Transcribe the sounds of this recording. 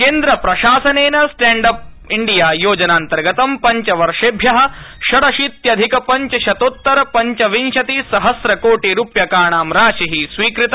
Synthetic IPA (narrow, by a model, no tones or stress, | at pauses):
keːnd̪ɾɐpɾɐʃaːsɐneːnɐsʈeːɳɖɐp̚ | iɳɖijaːjoːd͡ʒɐnaːnt̪ɐɾɡɐt̪ɐmpɐɲt͡ʃɐʋɐɾʂeːbʱjɐɦɐ̆ʃɐɽɐʃiːt̪jɐd̪ʱikɐpɐɲt͡ʃɐʃɐt̪oːt̪ːɐɾɐpɐɲt͡ʃɐʋinʃɐt̪isɐɦɐsɾɐkoːʈiɾuːpjɐkaːɳaːmɾaːʃiɦisʋiːkɾit̪ɐ